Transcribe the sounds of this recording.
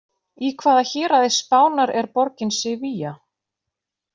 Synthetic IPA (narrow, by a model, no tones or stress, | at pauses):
ikʰvaːðaçɛːɾaðespaːwnaɾɛɾpɔɾcɪnsɪviːja